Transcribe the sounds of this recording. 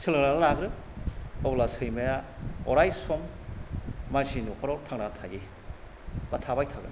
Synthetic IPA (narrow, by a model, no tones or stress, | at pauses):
sʰilɾanalaɡɾɯ | ɔblasɯjmajaɔɾajsɔmː | azinukaɾoɾtʰaŋnanatʰaɡi | batʰabajtʰaɡɯn